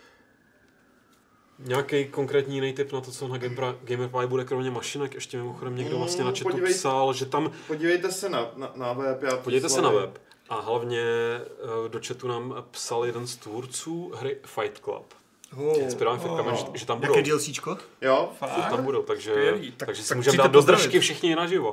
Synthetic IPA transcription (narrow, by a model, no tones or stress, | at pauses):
ɲaːkɛjkoŋkɾɛːt̪ɲijɪnɛjt̪ɪpnat̪o̞t͡sonaɡɡɛjmpajbudɛkɾomɲɛmaʃɪnɛkʔɛʃcɛmɪmoxodɛmɲɛɡdovlast̪ɲɛnat͡ʃɛupsalʒɛt̪ampoɟiːvɛjt̪ɛsɛnananavɛpjaːpoɟivɛjt̪ɛsɛnavɛp | ʔaɦlavɲɛ | do̞t͡ʃɛt̪unaːmpsaljɛdɛnst̪vuɾt͡suːɦɾɪfajt̪kla̰p | ɪspɪɾaɛfajt̪klamɛʒɛt̪ambuddilsit͡ʃkot̪joat̪ambudowt̪aɡʒɛt̪t̪aɡʒɛsɪmuːʒɛdaːɛd̪dozd̪ɾaʃkɪfʃɪxɲɪnaʒɪvo